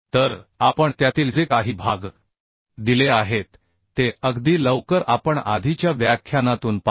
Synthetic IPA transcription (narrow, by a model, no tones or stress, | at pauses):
t̪əɾapəɳt̪jat̪iːld͡zekaɦiːbʱaɡ | d̪ileaɦet̪ː | eəɡd̪iːləʋkəɾapəɳa̰d̪ʱit͡ɕjaʋjakʰːjanat̪uːnpa